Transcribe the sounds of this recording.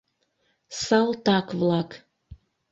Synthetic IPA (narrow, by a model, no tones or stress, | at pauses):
sɑlt̪ɑkvlɑk